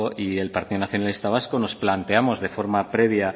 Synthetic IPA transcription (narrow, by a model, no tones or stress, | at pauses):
ie̞lpaɾt̪iðonaθjonalist̪aβ̞askono̞splant̪e̞amo̞zðe̞fo̞ɾmapɾe̞β̞ja